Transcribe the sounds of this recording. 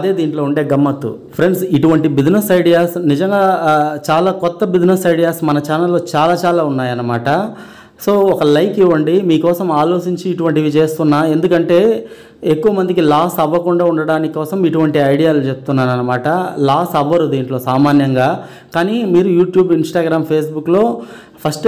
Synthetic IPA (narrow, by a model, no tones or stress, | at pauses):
ɐd̪e̞ːd̪iːɳʈlo̞ːuɳʈe̞ːɡɐmːɐt̪ːṵ | pʰɾe̞ɳɖsiʈuʋɐɳʈibid͡ʒnɐsɐjɖijaːsnid͡ʒɐŋɡaːt͡ʃaːlaːkɔt̪ːɐbid͡ʒnɐsɐjɽijaːsmɐnɐt͡ʃaːnɐlːo̞ːt͡ʃaːlaːt͡ʃaːlaːunːaːjɐnːɐmaːʈɐ | so̞ːɔkɐlɐjkiʋɐɳɖimiːkɔːsɐmaːlo̞ːt͡ʃiɲt͡ʃiːʈuʋɐɳʈiʋit͡ʃe̞ːst̪unːaːe̞nd̪ukɐɳʈe̞ː | ekːuʋɐmɐnd̪ikilaːsɐʋːɐkuɳɖaːuɳɖɐɽaːnikkːɔːsɐmiʈuʋɐɳʈiɐjɽijaːlut͡ʃep̚ut̪unːaːɾɐnːɐmaːʈɐlaːsɐʋːɐɾud̪iːɳʈlo̞ːsaːmaːnjɐŋɡaː | kaːnimiːɾujuːʈjuːbinsʈaːɡɾaːmpʰeːsbukːlo̞ː | pʰɐsʈ